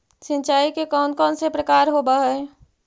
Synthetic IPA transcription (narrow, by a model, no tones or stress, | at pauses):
sĩnt͡ʃaikekɔnkɔːnsepɾəkaɾɦobəɦɛ